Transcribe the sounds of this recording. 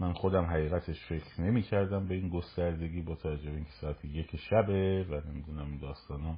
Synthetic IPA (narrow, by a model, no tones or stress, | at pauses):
mænxod̪æmɦæɣiːɣæt̪ʰeʃfe̞kʰɾne̞miːcʰæɾd̪æmbe̞iːnɡost̪æɾd̪e̞ɡʲiːbɒːt̪ʰævæd͡ʒːobeiːnkʰʲcʰesɒːæt̪ʰeje̞cʰʃæbe̞væne̞mid̪uːnæmind̪ɒːst̪ɒːnɒ